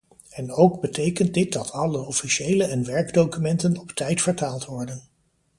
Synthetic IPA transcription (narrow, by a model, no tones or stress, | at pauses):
ɛnowɡbətejkənt̚dɪt̚dɑtʰɑləɔfiʃejləɛnʋɛɹɡdowkymɛntənɔptɛjtfəɹtaːlˠtʋɔɹdən